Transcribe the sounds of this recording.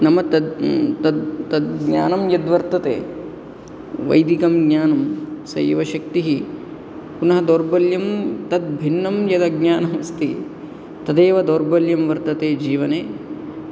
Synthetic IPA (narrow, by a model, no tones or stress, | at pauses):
nɐmɐt̪ɐd̪t̪ɐd̪t̪ɐd̪̚ɡɲa̰ːnɐmjɐd̪ʋɐɾt̪ɐt̪ḛː | ʋɐ̰jd̪ikɐmɡɲaːnɐmsɐ̰jʋɐʃɐk̚t̪iɦi | punɐɦɐd̪oːɾbɐljɐmt̪ɐd̪̚bʱinːɐmjɐd̪ɐɡɲaːnɐmɐst̪i | t̪ɐd̪eːʋɐd̪oːɾbɐljɐmʋɐɾt̪ɐt̪eːd͡ʒiːʋɐneː